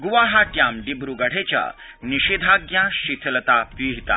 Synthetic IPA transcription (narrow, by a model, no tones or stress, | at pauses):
ɡuʋaɦaʈjamɖibɾuɡəɽ̤et͡ɕja̰ | niɕid̪ʱaɡjãɕit̪ʰlət̪apiɦit̪a̰